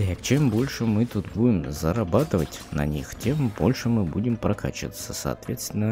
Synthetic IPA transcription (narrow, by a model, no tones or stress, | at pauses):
jɐkt͡ɕɛmbolʲʂɛmɨt̪ut̪budʲɪmzɐɾɐbat̪ɨvətʲnɐ̰nʲixtʲembolʲʂɛmɨbudʲɪmpɾɐkʰa̰t͡ɕɪ̰ʋət̪səsɐ̰ːt̪vʲet̪st̪ʲɪnə